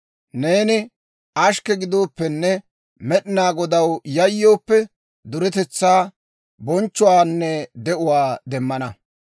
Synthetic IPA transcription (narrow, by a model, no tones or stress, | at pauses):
ne̞ːnɪ | ʔɐʃkɛɡɪd̪o̞ːpːɛnːɛ | mɛɗɪnaːɡɔd̪ɐwjɐjːo̞ːpːɛ | d̪ʊɾɛt̪ɛt͡sːaː | bɔnt͡ʃːʊwaːnːɛd̪ɛʔʊwaːd̪ɛmːɐnɐ